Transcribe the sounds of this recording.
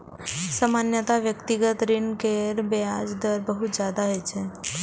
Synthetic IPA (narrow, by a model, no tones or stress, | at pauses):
səmanjət̪aʋjəkt̪iɡət̪ɾinkeɾbejad͡ʒd̪əɾbəɦut̪d͡ʒjad̪aɦɔjt͡ʃʰe